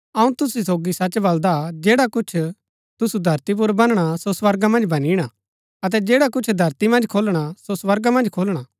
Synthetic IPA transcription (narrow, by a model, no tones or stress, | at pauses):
ɐũt̪ʊsisoːɡisɐt͡ʃbɐld̪ad͡ʒeːɽakʊt͡ʃʰ | t̪ʊsud̪ʱɐɾt̪ip̬ʊɾbɐnɽ̃asoswɐɾɡamɐ̃nd͡ʒbɐniɽ̃a | ɐt̪̬ɛd͡ʒeːɽak̬ʊt͡ʃʰd̪ʱɐɾt̪imɐ̃nd͡ʒkʰoːlɽ̃asoswɐɾɡamɐ̃nd͡ʒkʰoːlɽ̃aː